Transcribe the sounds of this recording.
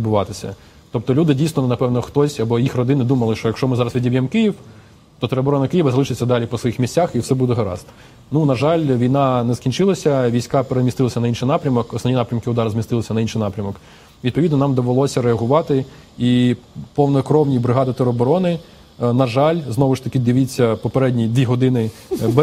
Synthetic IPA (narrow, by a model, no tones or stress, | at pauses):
d̪bʊʋɑt̪ɪsʲɐ̰ | t̪ɔp̚t̪ɔlʲud̪ɪdʲijsnɔnɐpɛwnɔxt̪ɔsʲɐbɔjixrɔd̪ɪnɪd̪umɐlˠɪʃt͡ʃɔjɐkʃt͡ʃɔmɪzɑɾɐsʋʲidʲiʋʲjɛmkɪjiw | t̪ɔt̪eɾɔbɔɾɔnɐkɪjiʋɐzɐlˠɪʃɪt͡sʲːɐd̪ɑlʲipɔsʋɔjixmʲisʲtʲaxiwsɛbud̪ɛɦɐɾɑ̰st̪ | nunɐʒɑlʲʋʲijnɑnɛskʲinʲt͡ʃɪlˠɐsʲɐʋʲijsʲkɑpeɾemʲist̪ɪlˠɐsʲɐnɐinʃɪjnɑpɾʲɐmɔkɔsɔʋʲnʲinɑpɾʲɐmkɪʊd̪ɑɾɐzmʲist̪ɪlˠɪsʲɐnɐinʃɪjnɑpɾʲɐmɔk | ʋʲid̪̚pɔʋʲid̪nɔnɑmd̪ɔʋelˠɔsʲɐɾeɐɦʊʋɑt̪ɪ | ipɔwnɔkɾɔwnʲijbɾɪɦɑd̪ɪt̪eɾɔbɔɾɔnɪ | nɐʒɑlʲznɔʋʊʃt̪ɐkɪd̪ɪʋit͡sʲːɐpɔpeɾɛdʲnʲid̪ʋʲiɦɔd̪ɪnɪ | b